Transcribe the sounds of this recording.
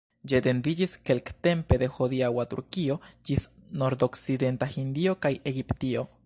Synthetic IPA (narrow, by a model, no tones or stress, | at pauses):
d͡ʒet̪end̪id͡ʒiskelkt̪empe̞d̪e̞xod̪iawat̪ṵɾkio̞d͡ʒisno̞ɾd̪oksid̪e̞nt̪ahind̪io̞kajeɡipt̪io̞